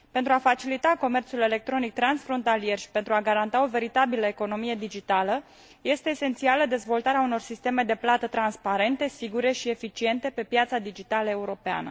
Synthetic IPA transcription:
pe̞nt̪ɾuafat͡ʃilit̪ako̞me̞rt̪sule̞le̞k̚t̪ɾo̞nik̚t̪ɾansfɾo̞nt̪alije̞rʃi̥pent̪ɾuaɡaɾant̪ao̞ve̞ɾit̪abiləeko̞no̞mije̞d̪id͡ʒit̪alə | je̞st̪e̞ːse̞nt̪sialəd̪e̞zvo̞lt̪aɾeauno̞rsist̪e̞me̞d̪e̞plat̪ət̪ɾanspaɾe̞nt̪e̞siɡuɾe̞ʃie̞fit͡ʃie̞nt̪e̞pe̞pjat̪sad̪id͡ʒit̪aləe̞uɾo̞pea̰nə̰

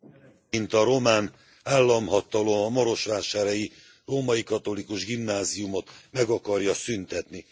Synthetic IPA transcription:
int̪ɒɾo̞maːn | aːlːɒmɦɒt̪ɒlo̞mɒmɒɾo̞ʃʋaːʃaːɾɛji | roːmɒjikɒt̪o̞likuʒɡimnaːzijumo̞t̪mɛɡɒkɒrjɒsynt̪ɛt̪ni

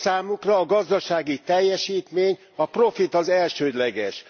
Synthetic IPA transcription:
saːmukrɒːɡɒzd̪ɒʃaːɡit̪ɛjːɛʃiːt̪meːɲ | ɒpro̞fit̪ɒzɛlʃøːd̪lɛɡɛʃ

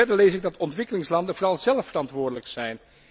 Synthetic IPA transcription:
ɛɹdəɹlejsɪɡ̚dɑtɔntʋɪkəlɪŋslɑndənvoːrɑlˠzɛlˠfərɑntʋʊːɹdələksɛjn

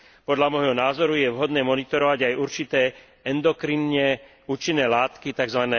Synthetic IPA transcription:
pɔd̪ʎamɔjɦɔnaːzɔɾujɛʋɦɔd̪nɛːmɔnit̪ɔɾɔʋaɟajʔuɾt͡ʃit̪ɛː | ɛnd̪ɔkɾinɲɛ | uːt͡ʃinːɛːlaːt̪kit̪aɡzʋanɛː

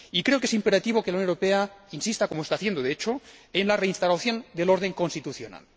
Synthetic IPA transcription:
ikɾe̞okee̞simpe̞ɾat̪iβokelawnjõwɾopeainsist̪akomoest̪aθje̞nd̪oðeet͡ʃoenlare̞inst̪alaθjo̞nd̪e̞lo̞ɾð̞e̞ŋko̞nst̪it̪uθjona̰l

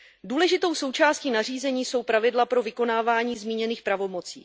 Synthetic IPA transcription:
duːlɛʒɪt̪o̞wso̞wt͡ʃaːsciːnar̝iːzɛɲiːso̞wpɾavɪdlapɾo̞vɪko̞naːvaːɲiːzmiːɲɛniːxpɾavo̞mo̞t͡sḭː

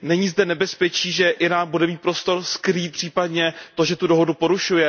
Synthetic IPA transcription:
nɛɲiːzdɛnɛbɛspɛt͡ʃiːʒɛʔɪnaːmbudɛmiːt̪̚pɾo̞st̪o̞ɾskɾiːt̪̚pr̝̥iːpadɲɛt̪o̞ʒɛt̪udo̞ɦo̞dupo̞ɾuʃujɛ

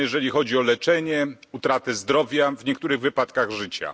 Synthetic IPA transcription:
jɛʐɛlʲixɔd͡ʑiɔlɛt͡ʂɛɲɛut̪ɾat̪ɛzd̪ɾɔvʲjavɲɛk̚t̪uɾɘɣvɘpat̪kaɣʐɘt͡ɕa̰

